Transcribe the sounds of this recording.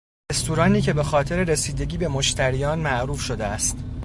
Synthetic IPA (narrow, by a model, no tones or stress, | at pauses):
est̪ʰuɾɒːniːcʰe̞be̞xɒːt̪ʰe̞ɾe̞ɾe̞siːd̪e̞ɟiːbe̞moʃt̪ʰæɾijɒːnmæʔɾuːfʃo̞d̪eæst̪